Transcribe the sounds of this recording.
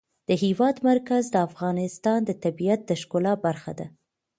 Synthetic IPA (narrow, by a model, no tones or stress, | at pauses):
d̪̥əɦiwɑd̪maɾkazd̪əafɣɑnɪst̪ɑnd̪ət̪abijat̪̚d̪əʃkolɑbaɾxa̰d̪a